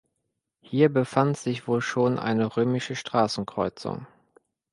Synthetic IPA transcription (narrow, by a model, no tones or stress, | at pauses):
hiːɐbəfantz̥ɪçv̥oːlʃoːnʔa̰ɪnəʁøːmɪʃəʃtʁ̥aːsn̩kʁ̥ɔʏt͡sʊ̰ŋ